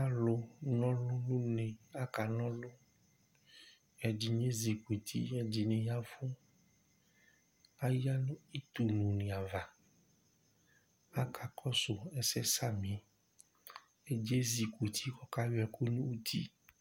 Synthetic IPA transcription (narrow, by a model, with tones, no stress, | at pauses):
a˦lo˦nɔ̃˦lʊ˦nũ˦nẽ˨a˦ka˨nɔ̃˦lo˦ | ɛ˨d͡ʒi˨ɲẽ˦zi˨kʷe˨t̪ʰḭ˦ɛ˨d͡ʒi˨nẽ˨ja˦fũ˦ | a˦ja˦nũ˦i˦t̪u˨nũ˨nẽ˨a˨va˨ | a˦kʰa˨kʰɔ˦so˨ɛ˦sɛ˦sa˦mĩ˨ | e˦d͡ʒe˦zi˨kʷe˨t̪ʰi˦kɔ˦ka˦wɛ˨ko˦nũ˦u˦t̪ḭ˦